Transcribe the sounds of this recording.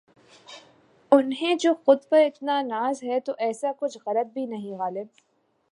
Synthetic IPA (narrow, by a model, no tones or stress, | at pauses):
ʊnɦẽd͡ʒoːxʊd̪faɪt̪nanaːzɦɛt̪oʔɛːsakʊt͡ʃʰɣɐlət̪̚bʱinɐɦĩɣaːlɪb̚